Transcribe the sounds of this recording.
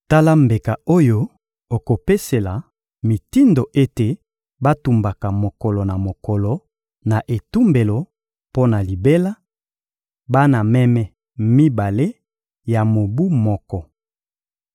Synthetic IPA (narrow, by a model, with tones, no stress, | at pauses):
ta˦la˦mbe˨ka˨o˦jo˦ | o˨ko˨pe˦se˨la˨ | mi˨ti˦ndo˨ʔe˦te˨ | ba˦tu˨mba˨ka˨mo˨kɔ˨lɔ˨na˨mo˨kɔ˨lɔ˨ | na˨ʔe˨tu˦mbe˨lo˨ | po˦na˨li˨be˦la˦ | ba˦na˨mɛ˦mɛ˦ | mi˦ba˨le˦ | ja˨mo˨bu˦mɔ˦kɔ˨